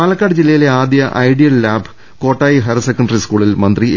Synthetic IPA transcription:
aːlɐkːaːɽɨd͡ʑilːɐjileaːd̪jɐʔɐ̰jɖijɐlːaːb | ko̞ːʈːaːjiɦɐɾɐsekːɐɳɖɐriskuːɭilmɐnd̪ri

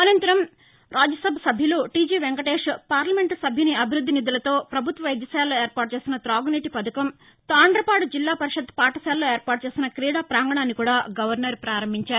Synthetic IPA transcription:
ɐnɐnt̪ɐɾɐm | ɾʔaːd͡ʒɐsɐbʱsɐbʱjɐluʈiːd͡ʒiːʋeŋɡɐʈeːʂpaːɾlɐmeɳʈsɐbʱjɐniɐbʱiɾud̪ʱːinid̪ulɐt̪o̞ːpɾɐbʱut̪ʋɐʋɐjd̪jɐsjaːlːoːe̞ːɾpaːʈ̚t͡ʃe̞ːsinɐt̪ɾaːɡniːʈipɐd̪ɐkɐm | t̪aːɳɖɾɐpaːɽd͡ʒilːaːpɐɾiʂɐd̪paːʈɐsaːlːo̞ːe̞ːɾpaːʈ̚t͡ʃeːsinɐkɾiːɽaːpɾaːŋɡɐɳaːnːikuːɽaːɡɐʋɐɾnɐɾpɾaːɾɐmbʱiɲt͡ʃaːɾu

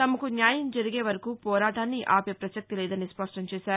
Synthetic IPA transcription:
t̪ɐmɐkunjaːjɐmd͡ʒɐɾiɡeːʋɐɾɐkuːpɔːɾaːʈaːnːiʔaːpɐpɾɐsɐk̚t̪ilɛːd̪ɐnispɐʂʈɐmt͡ʃɛːʃaːɾu

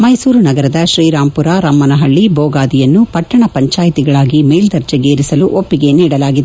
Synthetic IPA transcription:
mɐjsuːɾunɐɡɐɾɐd̪ɐʃɾiːɾaːmpuɾaɾɐmːɐnɐɦɐɭːibɔːɡaːd̪ijɐnːupɐʈːɐɳɐpɐɲt͡ʃaːjit̪iɡɐɭaːɡimeːld̪ɐɾd͡ʒɐɡeːɾisɐluʔopːiɡe̞niːɽɐlaːɡid̪e

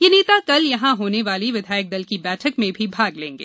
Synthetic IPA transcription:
jeːneːt̪akɐljɐɦãɦoːneʋaːliʋɪd̪ʱaːjək̚d̪ɐlkibɛːʈʰəkmẽbʱibʱaːɡlẽːŋɡḛː

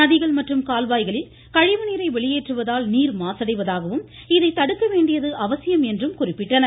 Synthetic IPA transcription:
nɐðɪɣɐɭmɐʈrɯmkaːlʋaːjɣɐɭɪl | kɐɻɪʋɐniːɾɐɪʋɛɭɪjeːʈrɯʋɐðaːlniːɾmaːsɐɽɐɪʋɐðaːɣɐʋɯmɪðɐɪt̪ɐɽɯkːɐʋeːɳɖɪjɐðɯʔɐʋɐsɪjɐmɛndrɯmkʊrɪpːɪʈːɐnɐ

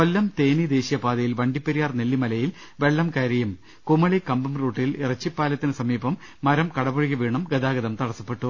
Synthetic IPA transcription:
kolːɐmt̪eːnid̪e̞ːɕijɐpaːd̪ɐjilʋɐɳɖipːɐɾijaːrnelːimɐlɐjil | ʋe̞ɭːɐmkɐɾɐjum | kumɐɭikɐmbɐmruːʈːilirɐt͡ɕːipːaːlɐt̪ːinɨsɐmiːbɐmː | ɐɾɐmkɐɽɐboɻikʲːɐʋeːɳɐmɡɐd̪aːɡɐðɐmt̪ɐɽɐsːɐ̥pːe̞ʈːu

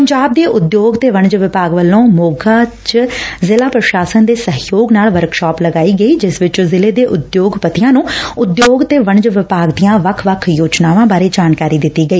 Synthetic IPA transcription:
pəɲd͡ʒaːb̚d̪eːʔʊd̪joːɡt̪eːʋəɳd͡ʒʋɪpaːɡʋəlːõːmoːɡaːt͡ʃzɪlaːpɾəʃaːsənd̪eːsəɦjoːɡnaːlʋəɾkʃɔːpləɡaːiːɡəiːd͡ʒɪsʋɪt͡ʃozɪleːd̪eːʔʊd̪joːɡpət̪ɪjãːnũːʊd̪joːɡt̪eːʋəɳd͡ʒʋɪpaːɡd̪ijãːʋəkʰʋəkʰjoːd͡ʒnaːʋãːbaːɾeːd͡ʒaːnkaːɾiːd̪ɪt̪ːiːɡəiː

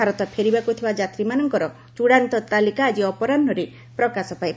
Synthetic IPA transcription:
aɾɔt̪ɔpʰeɾibakut̪ʰibad͡ʒat̪ɾimanɔŋkɔɾɔ | t͡ʃuɽant̪ɔt̪alikaːd͡ʒiɔpɔɾanːɔɾe | pɾɔkasɔpajb

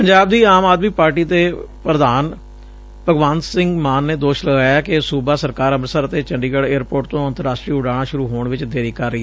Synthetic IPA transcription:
pəɲd͡ʒaːb̚d̪iːaːmaːd̪miːpaːɾʈiːt̪eːpɾəd̪aːn | pəɡʋaːnsɪ̃ŋɡmaːnːeːd̪oːʃləɡaaːkɪsuːbaːsəɾkaːɾəmɾsəɾət̪eːt͡ʃəɳɖiːɡəɭeːɾpoːɾʈ̚t̪õːənt̪əɾaːsʈɾiːʊɖaːɽ̃aːʃʊɾuːɦoːɳʋɪt͡ʃd̪eːɾiːkəɾːəiɛ

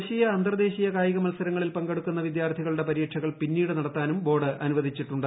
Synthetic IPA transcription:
ɕijɐːnd̪rɐd̪e̞ːɕijɐkaːjɐɣɐmɐlsɐɾɐŋːɐɭilpɐŋɡeɽukːunːɐʋid̪jaːrt̪ʰiɣɐɭɽe̞pɐɾijːʈʂʰɐɣɐɭpinːiːɽɨnɐɽɐt̪ːaːnumbo̞ːɽɨʔɐnuʋɐd̪ʱit͡ɕːiʈːuɳɖɨ

